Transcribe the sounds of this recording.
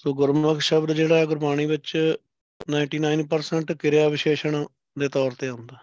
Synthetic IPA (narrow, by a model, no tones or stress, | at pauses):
soːɡʊɾməkʃəbd̪d͡ʒeːɽaːɛɡʊɾbaːɽ̃iːbɪt͡ʃ | naːɪ̃ɳʈiːnaːɪnpəɾsɛɳʈkɪɾejaːʋɪʃeːʃəɳ | d̪eːt̪ɔːɾt̪eːə̃ʊnd̪aː